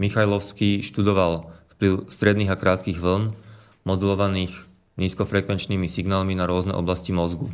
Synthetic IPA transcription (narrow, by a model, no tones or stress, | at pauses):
mixajlɔʊskiːʃt̪ud̪ɔʋalfpliʊst̪ɾɛd̪niːɣakɾaːt̪kiɣʋl̩n | mɔd̪ulɔʋaniːx | niːskɔfɾɛkʋɛnt͡ʃniːmisiɡnaːlminaɾʊɔznɛ̰ʔɔ̰blascimɔzɡu